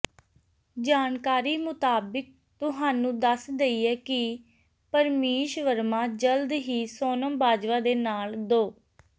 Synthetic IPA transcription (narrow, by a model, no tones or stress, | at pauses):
d͡ʒaːnkaːɾiːmʊt̪aːbək̚ | t̪ʊɦaːnũːd̪əsd̪eiːɛːkɪ | pəɾmeːʃʋəɾmãːd͡ʒəld̪ɦiːsoːnəmbaːd͡ʒʋaːd̪eːnaːld̪oː